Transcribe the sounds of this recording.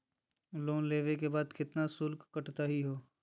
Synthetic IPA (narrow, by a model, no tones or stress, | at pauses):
loːnleːʋek̬ebaːd̪kɪt̪nasʊlkkːɐʈt̪aɦiɦoː